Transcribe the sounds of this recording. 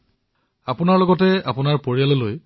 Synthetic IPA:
apʊnaɹlɔɡɔtɛa̰pʊnaɹpoɹijalɔloj

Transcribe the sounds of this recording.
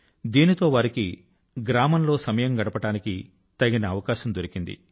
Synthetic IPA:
d̪iːnit̪o̞ːʋaːɾiki | ɡɾaːmɐnlo̞ːsɐmɐjɐmɡɐɽɐpɐʈaːniki | t̪ɐɡinɐːʋɐkaːʃɐmd̪oɾikind̪ḭ

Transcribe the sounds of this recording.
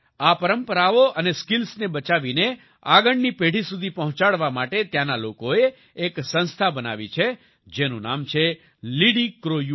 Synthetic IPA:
apəɾəmpəɾaoʔəneskilsnebət͡ʃaʋine | aɡəɳnipeɽ̤isud̪ʱipəɦʊ̃t͡ʃaɭʋamaʈet̪jãnalokoeː | ksə̃nst̪ʰabəna̰ʋḭt͡ʃʰe | d͡ʒenũna̰mt͡ʃʰe | liɽikɾoju

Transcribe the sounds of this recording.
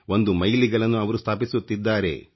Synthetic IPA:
o̞nd̪umɐjliɡɐɭɐnːuɐʋɐɾust̪ʰaːpisut̪ːid̪ːaːɾe̞̰

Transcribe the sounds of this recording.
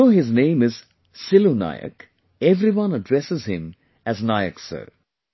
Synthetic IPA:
oːɦɪznẽːmɪz | sɪlona̰ːɪjə̰k | ɛvɾiwʌ̃nəɖɾɛsɪzhɪ̃m | æznaɪə̰ksə̰ɾ

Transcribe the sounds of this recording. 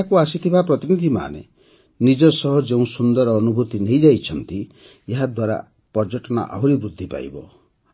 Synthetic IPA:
akuasit̪ʰibʱapɾɔt̪inid̪ʱima̰nḛ | nid͡ʒɔsɔɦɔd͡ʒeũsund̪ɔɾːnubʱut̪inejd͡ʒajt͡ʃʰɔnt̪i | eɦad̪waɾa̰ | pɔɾd͡ʒɔʈɔna̰ʔa̰ɦwɾibɾud̪ʱːipa̰jbɔ̰

